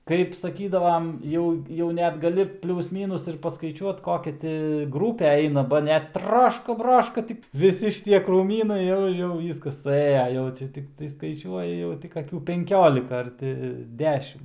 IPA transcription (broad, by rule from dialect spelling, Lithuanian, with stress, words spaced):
kɐɪp sɐˈkʲiːdɐʋɐm ˈjɛʊ jɛʊ ˈnʲɛt ɡɐˈlʲɪ ˈpʲlʲuːs ˈmʲiːnʊs ɪr pɐskɐɪˈt͡ʃʲuɔt ˈkoːkʲɛ tʲɪ ˈɡruːpʲɛ ˈɛɪnɐ ˈbɐ nʲɛt ˈtrɑːʃkɐ ˈbrɑːʃkɐ ˈtʲɪk ʋʲɪˈsʲɪ ʃʲɪˈtʲiɛ kruːˈmʲiːnɐɪ ˈjɛʊ ˈjɛʊ ˈʋʲiːskɐs sʊˈeːjɛ ˈjɛʊ t͡ʃʲɛ tʲɪkˈtɐɪ skɐɪˈt͡ʃʲuɔjɛ ˈjɛʊ tʲɪk ɐˈkʲuː pʲɛŋʲˈkʲoːlʲɪkɐ ɐr ˈtʲɪ ˈdʲæːʃʲɪm